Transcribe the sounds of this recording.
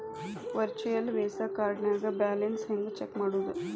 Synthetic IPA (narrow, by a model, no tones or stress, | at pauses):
ʋɐɾt͡ʃujɐlʋeːsɐkaːɾɖnjaːɡɐbaːlensɦend̪ut͡ʃekːmaːɽuːd̪u